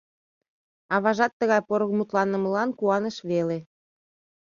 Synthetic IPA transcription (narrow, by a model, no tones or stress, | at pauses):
ɑβɑʒɑt̪ːəɣɑjpoɾokmut̪lɑnəməlɑnkuɑnəʃβele